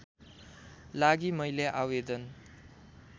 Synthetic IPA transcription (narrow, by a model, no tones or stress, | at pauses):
laɡimʌjleʔawed̪ʌn